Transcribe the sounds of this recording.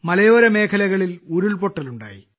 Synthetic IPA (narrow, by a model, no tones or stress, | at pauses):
mɐlɐjo̞ːɾɐme̞ːkʰɐlɐɣɐɭiluɾuɭpo̞ʈːɐluɳɖa̰ːjḭ